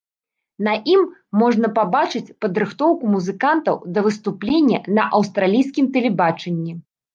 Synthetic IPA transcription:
nɐʔimːɔʐnɐpabat͡ʂɨt͡sʲpɐd̪ɾɨxt̪ɔwkumuzɨkant̪ɐ̰wd̪ɐvɨst̪uplʲenʲːɐnɐʔɐwst̪ɾalʲijskʲimt̪ɛlʲɛbat͡ʂɛnʲːɛ

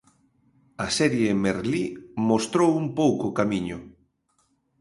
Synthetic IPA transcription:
asɛɾjemeɾlimost̪ɾowumpowkokamiɲʊ

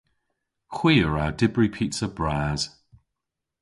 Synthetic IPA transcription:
xw̥iːəɹadɪbɹipʰiˑtsəbɹaːz̥

